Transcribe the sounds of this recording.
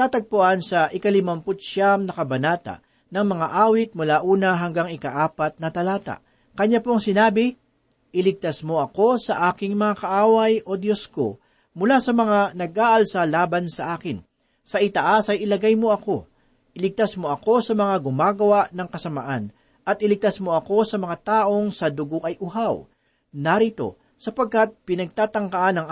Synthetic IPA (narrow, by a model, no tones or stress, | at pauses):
t̪aːt̪ɐɡ̚pʊʔansɐʔɪkɐlɪmɐmpʊt̪̚ʃaŋnɐkɐbɐnaːt̪a̰ʔ | nɐŋmɐŋaʔaːwɪt̪̚mʊlaʔuːnɐɦɐŋɡaŋɪkɐʔaːpɐt̪̚nɐt̪ɐlaːt̪a̰ʔ | kɐɲapoŋsɪnaːbɪ | ʔɪlɪɡ̚t̪asmo̞ʔɐko̞sɐʔaːkɪŋmɐŋakɐʔaːwɐjʔo̞d̪josko̰ | mʊlasɐmɐŋanɐɡʔaːʔɐlsalaːbɐnsɐʔaːkɪn | sɐʔɪt̪ɐʔasɐjʔɪlɐɡajmo̞ʔɐko̞ | ʔɪlɪɡ̚t̪asmo̞ʔɐko̞sɐmɐŋaɡʊmaːɡɐwaʔnɐŋkɐsɐmɐʔan | ʔɐt̪̚ʔɪlɪɡ̚t̪asmo̞ɐko̞sɐmɐŋat̪aːʔo̞ŋsɐd̪ʊɡo̞ʔɐjʔʊɦaw | nɐɾit̪o̞̰ | sɐpɐɡ̚kɐt̪̚pɪnɐɡ̚t̪aːt̪ɐŋkɐʔanɐŋ